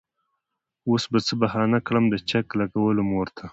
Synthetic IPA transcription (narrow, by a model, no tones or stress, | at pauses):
osbat͡səbahɑnakɽamd̪ət͡ʃaklaɡawəlomoɾt̪ʰa